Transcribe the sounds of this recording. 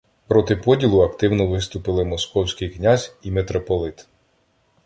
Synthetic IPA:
pɾɔt̪ɪpɔdʲilˠʊɐkt̪ɪwnɔʋɪst̪ʊpɪlˠɪmɔskɔwsʲkʲɪjknʲazʲimet̪ɾɔpɔlˠɪt̪

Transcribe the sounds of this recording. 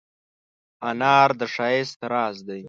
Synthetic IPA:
anɑːɾd̪əʂɑːest̪ɪɾɑːzd̪aj

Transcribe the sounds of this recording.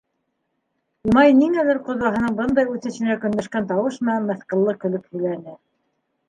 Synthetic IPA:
umɑjniŋælɘɾqŏðwɑɦɤ̆nɤɴbɤnd̪ɑjʉθɘ̆ɕɘ̆nækɵ̆nd̪æʃkænt̪ɑwɤʃmɘ̆nænmæθqɤ̆lˠːɤkɵ̆lɵphɵ̆jlænɘ

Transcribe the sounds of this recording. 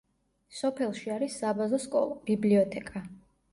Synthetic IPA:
sɔpʰɛlˠʃiaɾisːabazɔskʼɔ̰lˠɔb̥ibliɔt̪ʰɛkʼa

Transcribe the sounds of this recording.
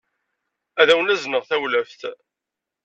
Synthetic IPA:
æðæwənæznəʁθæwlæfθ

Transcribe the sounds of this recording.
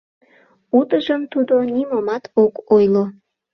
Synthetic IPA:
ut̪əʒəmt̪ud̪onimomɑt̪ʰokojlo

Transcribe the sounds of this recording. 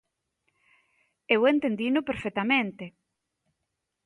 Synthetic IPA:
ewent̪end̪inʊpeɾfet̪amẽnt̪e

